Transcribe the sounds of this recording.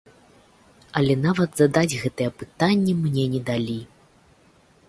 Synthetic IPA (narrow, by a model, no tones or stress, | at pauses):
ɐlʲɛnavɐd̪zɐd̪ad͡zʲɣɛt̪ɨjɛpɨ̥t̪anʲːɛmnʲɛnʲɛd̪alʲi